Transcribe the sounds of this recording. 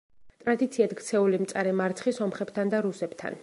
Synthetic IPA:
t̪ʼɾad̪it̪sʰiad̪ɡt̪sʰɛulimt̪sʼaɾɛmaɾt̪sʰχisɔmχɛb̥t̪ʰand̪aɾusɛbt̪ʰa̰n

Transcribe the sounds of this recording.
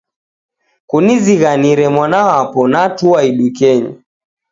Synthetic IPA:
kuniziɣaniɾɛmwanaapɔnatuaiɗukɛɲa̰

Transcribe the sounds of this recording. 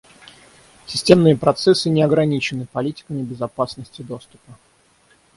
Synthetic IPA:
sʲɪsʲtʲe̞mnɨjəpɾɐt̪sɛsːɨnʲɪɐɡɾɐnʲit͡ɕɪnɨpɐlʲitʲɪ̥kəmʲɪbʲɪzɐpasnəsʲtʲɪd̪o̞st̪ʊ̥pə

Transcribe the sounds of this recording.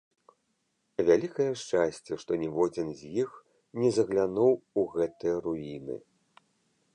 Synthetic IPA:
vʲalʲikɐjɛʂt͡ʂasʲt͡sʲɛʂt̪ɔnʲɛvɔd͡zʲinzʲjix | nʲɛzɐɣlʲanuwuɣɛt̪ɨjɐɾuinɨ̰

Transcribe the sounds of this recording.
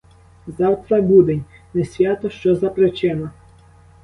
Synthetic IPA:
zɑwt̪ɾɐbud̪enʲnɛsʲʋʲjat̪ɔʃt͡ʃɔzɐpɾɛt͡ʃɛnɐ

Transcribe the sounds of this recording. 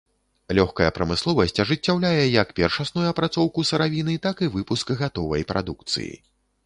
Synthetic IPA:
lʲɔxkɐjɐpɾɐmɨslˠɔvɐsʲt͡sʲɐʐɨt͡sʲːawlʲajɛjɐkpʲɛrʂasnujuɐpɾat̪sɔwkusɐɾavʲinɨt̪akivɨpuskɣat̪ɔvɐ̰jpɾʔa̰d̪ukt̪sɨ̰jḭ

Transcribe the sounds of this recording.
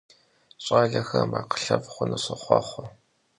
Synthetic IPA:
ɕʼaːɮɐxɐmaːqə̥ɬɐvχʷʊnɨsɐχʷɑ̰χʷɔ

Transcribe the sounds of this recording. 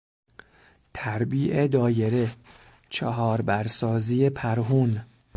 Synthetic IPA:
t̪ʰæɾbiːʔed̪ɒːje̞ɾe̞ | t͡ʃʰeɦɒːɾbæɾsɒːziːjepʰæɾɦun

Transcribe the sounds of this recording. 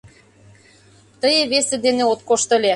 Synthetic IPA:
t̪əjĕβesĕd̪eneot̪̚koʃt̪ɤ̆lʲe

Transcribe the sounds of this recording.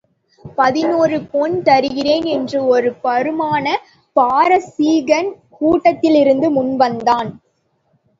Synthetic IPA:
pɐðɪnoːrɯpoːnt̪ɐɾɯɣɪreːnɛndrɯɔɾɯpɐɾɯmaːnɐ | paːɾɐsiːɣɐn | kuːʈːɐt̪ːɪlɪɾɯnd̪ɯmʊnʋɐnd̪aːn

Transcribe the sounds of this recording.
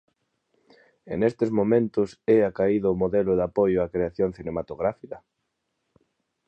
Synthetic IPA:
ḛnest̪ɪzmomẽnt̪ʊsɛakaiðaʊmoðelʊðapojʊakɾeaθjoŋθinemat̪oɣɾafikɐ

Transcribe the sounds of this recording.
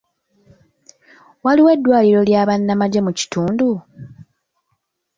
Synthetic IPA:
waliwe̞dːwaːliɾo̞ljaːβanːamaɟemuci̥tuːndu

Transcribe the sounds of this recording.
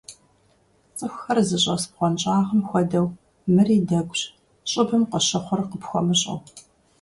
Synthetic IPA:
t͡sʼɨxʷxɐrzɨɕʼɐsp̚qʷɔnt͡ʃʼaːʁəmxʷɔdɐw | mɨriːdɐɡʷɕ | ɕʼɪbɨmqɔɕɐχʷʊrqəpxʷɔ̰mɨɕʼɐ̰w

